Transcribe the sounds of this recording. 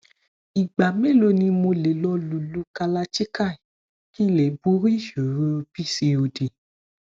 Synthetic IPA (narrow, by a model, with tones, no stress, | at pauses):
i˨ɡ͡ba˨me˦˨lo˧nĩ˧mo˧le˨˦lɔ˧˦lu˨lu˨˦ka˧la˧t͡ʃi˦ka˦˨ | kĩ˦le˨˦bu˦ɾi˦˨ʃo˨ɾo˧bi˦se˧o˧de˨